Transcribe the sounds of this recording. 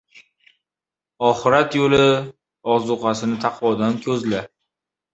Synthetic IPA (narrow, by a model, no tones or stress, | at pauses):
ɒχɨɾat̪jolɪ | ɒzʊqʰɑsɪnɪt̪ʰɑqʰvɒd̪ankʲʰɵzla